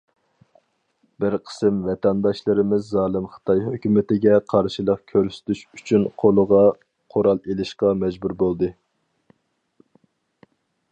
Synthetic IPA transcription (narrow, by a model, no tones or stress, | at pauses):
b̥ɪɾqʰə̥sɨmvɛt̪ʰɛnd̪ɑʃlˠɨɾɪmɪzːɑːlˠɨmχə̥t̪ʰɑjɦøkʲymɪt̪ɪɡʲɛqʰɑɾʃilˠəqkʲʰøɾsy̥t̪ʰyʃyt͡ʃʰynqʰolˠəʁɑ | qʰoɾɑlˠelɪʃqɑmɛd͡ʒbuɾbolˠd̪ɨ